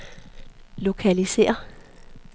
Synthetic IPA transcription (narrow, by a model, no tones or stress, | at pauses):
lo̝kʰælise̝̰ːɐ